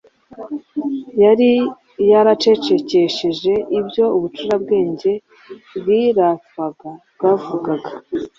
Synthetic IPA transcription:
jaɾi | jaɾat͡ʃe̞t͡ʃe̞ce̞ʃeʒe̞ʔibɟo̞uβut͡ʃuɾabɡe̞ːɲɟe̞ | bɡiɾafaɡabɡaːvuɡaɡa

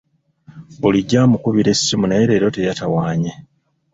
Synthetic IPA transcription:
oliɟaːmukuβiɾe̞ssimuneɾe̞ɾo̞te̞jatawaːɲe

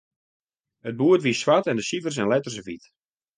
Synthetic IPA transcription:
əd̚buətʋisʋatɛndəsivərs̬ɛnlɛtərs̬əvit

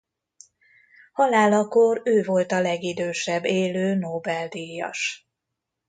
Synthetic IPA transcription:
hɒlaːlɒkoɾøːvo̞lt̪ɒlɛɡid̪øːʃɛbːeːløːnoːbɛld̪ijɒ̰ʃ

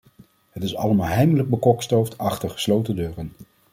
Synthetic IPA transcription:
ɦətɪsɑ̰ləmaːlˠɦɛjmələɡ̚bəkɔkstowftʰɑχtəɹχə̥slowtəndøːrən

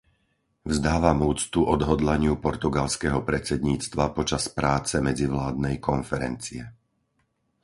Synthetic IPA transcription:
vzd̪aːʋamuːt͡st̪uʔɔd̪ɦɔd̪laɲɪupɔɾt̪uɡalskɛɦɔpɾɛt͡sɛd̪ɲiːt͡st̪ʋapɔt͡ʃaspɾaːt͡sɛmɛd͡ziʋlaːd̪nɛjkɔnfɛɾɛ̰nt͡siɛ

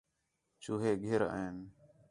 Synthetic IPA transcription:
t͡ʃuːɦeːɡʱeɾə̰ːen

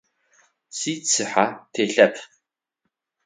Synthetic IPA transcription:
siːt͡sʰɨħatʰeːɬɐpʰ

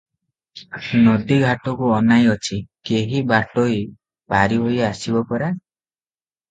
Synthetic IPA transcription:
nɔd̪iɡʱaʈɔkuɔnajɔt͡ʃʰikeɦibaʈoi | paɾiɦojasibɔpɔɾa

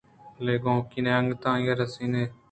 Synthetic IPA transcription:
leːɡõːkineːəŋɡt̪ãːjaɾəsiːneː

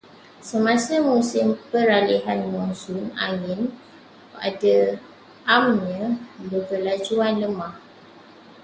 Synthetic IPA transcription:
səmãsamusɪmpəɾaliɦanmɔnsʊna̰ŋɪn | a̰da | ʔamɲə̃bəkəlad͡ʒuanləmah

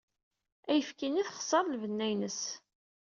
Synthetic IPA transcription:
æjəfkiniθχə̥sˤəɾˤlvənːæjnəs

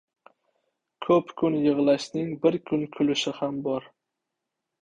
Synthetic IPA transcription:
kʰɵpkʰʊnjɨʁlˠaʃnɪŋbɪɾkʰʊnkʲʰʊlɪʃɪhambɒɾ

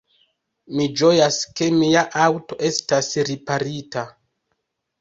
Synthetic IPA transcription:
mid͡ʒo̞jaske̞miaʔawto̞ʔe̞stasɾipaɾita

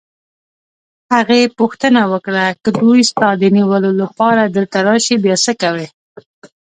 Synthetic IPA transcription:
haɣepuxt̪ənawəkɽakəd̪ujst̪ɑd̪əniwəlolapɑɾad̪ət̪aɾɑʃebjɑsəkawe

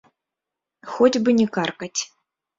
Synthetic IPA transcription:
xɔd͡zʲbɨnʲɛkarkɐt͡sʲ

